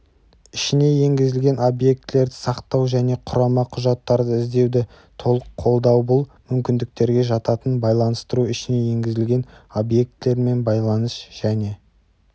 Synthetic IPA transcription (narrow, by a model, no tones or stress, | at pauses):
ɪʃɪne̞je̞ŋɡʲɪzɪlɡʲe̞no̞bje̞k̚t̪le̞ɾd̪ɪsɑqt̪ɑwʒæne̞qʰʊɾɑmɑqʰʊʒɑt̪ːɑɾd̪əɪzd̪e̞wd̪ɪ | t̪ʰo̞lˠəqʰːo̞lˠd̪ɑwbʊlˠmʏmkʲɪnd̪ɪk̚t̪e̞ɾɡʲe̞ʒɑt̪ɑt̪ənbɑjlˠɑnəst̪əɾuɪʃɪne̞je̞ŋɡʲɪzɪlɡʲe̞no̞bje̞k̚t̪le̞ɾme̞nbɑjlˠɑnəsʒ̥æne̞